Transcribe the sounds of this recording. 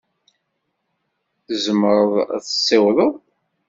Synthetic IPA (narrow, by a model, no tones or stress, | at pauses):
θəzəmɾˤəð̰ˤθə̥sˤːɪwðˤəðˤ